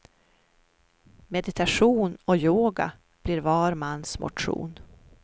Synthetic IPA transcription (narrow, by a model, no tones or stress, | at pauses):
mɛd̪ɪt̪ʰaʂuːnɔjoːɡa̰ | b̥liɾvɑːɾmanːsmʊ̰ʈɧṵːn